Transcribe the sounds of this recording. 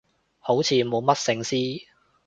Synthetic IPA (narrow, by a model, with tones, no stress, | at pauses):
ho˨˥wt͡sʰiː˨˧mo˨˧mɐ˥t̚sɪ˧ŋsiː˥